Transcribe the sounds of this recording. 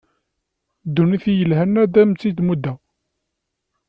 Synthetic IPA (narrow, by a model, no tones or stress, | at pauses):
d̪ːuniθijəlhænːæd̪æmt͡sːid̪mud̪æ